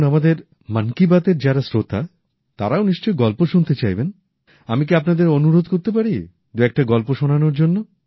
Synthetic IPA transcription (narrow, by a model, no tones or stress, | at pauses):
namad̪eɾ | mankibat̪eɾd͡ʑaɾasɾot̪a | t̪aɾaoniʃt͡ɕojɡɔlpoʃunt̪et͡ɕajben | amik̬iapnad̪eɾonuɾod̪koɾt̪ep̬aɾi | d̪uɛk̚ʈaɡɔlpoʃonanoɾd͡ʑonːo